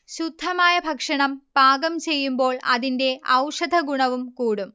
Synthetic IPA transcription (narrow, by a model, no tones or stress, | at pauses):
ɕud̪ʱːɐmaːjɐbʱɐkʂɐɳɐmpaːɡɐmt͡ɕe̞jːumbo̞ːɭɐ̰ðinde̞ʔɐ̰wʂɐd̪ʱɐɡuɳɐʋumkuːɽum